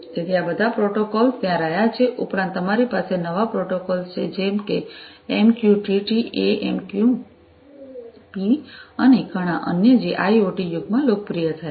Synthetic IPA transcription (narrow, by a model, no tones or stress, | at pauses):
d͡ʒ̪et̪ʰiabəd̪ʱapɾoʈokolst̪jãɾəɦjat͡ʃʰeʔupɾãnt̪ːəmaɾipasenəʋapɾoʈokɔlst͡ʃʰed͡ʒɛmkeːmkjuʈiʈiʔeemkju | piəneɡəɽ̃aʔə̰njəd͡ʒeʔaioʈijuɡ̚mãlok̚pɾijət̪ʰəja